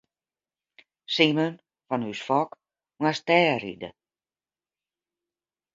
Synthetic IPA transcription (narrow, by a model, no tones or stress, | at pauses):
simən | fɔnysfɔk | mastɛːɾḭdə̰